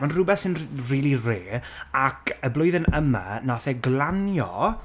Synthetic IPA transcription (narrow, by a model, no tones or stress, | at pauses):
manrʊbɛθsɪnriːlˠireː | akʰəblʊɨðənəma̰naθɛɡlˠanjɔ̰